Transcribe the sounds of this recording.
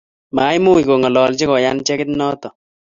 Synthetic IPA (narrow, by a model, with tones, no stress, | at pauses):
maː˨˦jmu˦i˨ko˨ŋɔ˨lɔ˨lt͡ʃe˦kɔ˨ja˦nt͡ʃɛ˦kɪ˦t̪nɔ˦t̪ɔ˨